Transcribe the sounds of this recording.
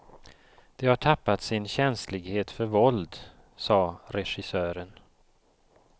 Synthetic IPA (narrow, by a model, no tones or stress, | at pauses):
d̪̥ɛhaʈʰapːat̪sɪnɕɛnslɪɡheːt̪fœɾvɔld̪ | sɑːɾɛʂɪsøːɾən